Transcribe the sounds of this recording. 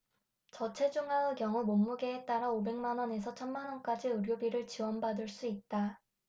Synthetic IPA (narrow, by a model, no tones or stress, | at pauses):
t͡ɕʌt͡ɕʰe̞d͡ʑuŋaɯkjʌŋumomːuɡe̞ːt͈aɾaobe̞ŋmanʌne̞s̬ʰʌt͡ɕʰʌnmanwʌnk͈ad͡ʑiɯɾjobiɾɯɭt͡ɕiwʌnbadɯɭs͈uit̚t͈a